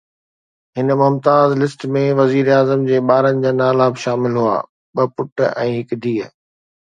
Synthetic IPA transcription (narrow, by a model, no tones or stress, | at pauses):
ɦɪnmʊmt̪aːzlɪsʈmẽʋɐziːɾaːzəmd͡ʑeːɓaːɾənɪ̆d͡ʑaːnaːlabɪʃaːmɪlɦua̰ː | ɓɐpʊʈɛ̃ːɦɪkd̪ʱiːə